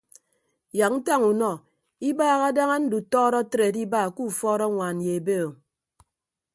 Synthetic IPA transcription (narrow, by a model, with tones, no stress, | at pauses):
ja˨k̚n̩˦ta˦ŋu˨nɔ˨ | i˦baː˦ɣa˦da˦ŋa˦n̩˦du˨tɔː˦ɾɔ˦tɾe˨di˦baː˦˨ku˦˨fɔː˦ɾɔ˦ŋʷa˨n̩˨je˨e˨be˦o˨